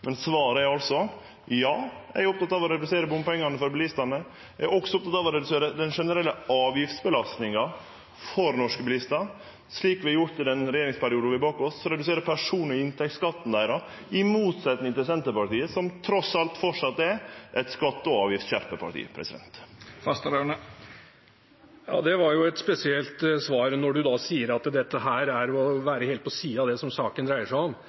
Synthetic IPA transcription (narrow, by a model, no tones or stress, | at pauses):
mʔɛnsʋɑːɾəæɾɑlsɔ | jɑːæ̰ɪʊp̚t̪ɑt̪ɑːʋɔɾɛd̪ʉseːɾəbʊmpɛŋːɑnəfɔɾbəlɪst̪ɑnə | æɔksɔʊp̚t̪ʰɑt̪ːɑʋɔɾɛd̪ʉseːɾəd̪ɛnʂɛnəɾɛlːəɑːʋjɪft̪sbəlɑst̪nɪŋɑ | fɔɾnɔʂkəbɪlɪst̪ɑ | sɭiːkʋɪɛjʊɾʈ̪ɪd̪ɛnɾɛjeːɾɪŋspæɾɪuːd̪ʋɪbɑːkɔsːɔɾɛd̪ʉseːɾəpʰæʂuːnɔɪnt̪ʰɛk̚t̪skɑt̪ːn̩d̪æɪɾɑ | ɪmuːt̪sɛt̪nɪŋnt̪ɛsɛnt̪əpɑʈiːəsɔmt̪ʰɾɔsɑlt̪fɔʂɑt̪ːɛʔɛt̪skɑt̪ːəɔɑːʋjɪft̪çæɾpəpʰɑ̰ʈḭːə̰pʰɾʔɛ̰sɪd̪ɛ̰nt̪fɑst̪əɾɑɳə | jɑ̰ːd̪ɛʋɑɾjʊɛt̪spɛsɪɛlt̪sʋɑːɾnɔɖʉd̪ɑsiːəɾɑt̪d̪ɛt̪ːəɦæːɾæɾɔʋæːɾəheːlt̪̚pʰɔsiːɑd̪ɛsɔmsɑːkənd̪ɾæɪəʂæɔm